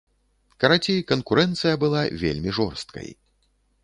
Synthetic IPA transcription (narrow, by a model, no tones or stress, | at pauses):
kɐɾat͡sʲikɐnkuɾɛnt̪sɨjɐbɨlˠavʲḛlʲmʲiʐɔrst̪̚kɐ̰j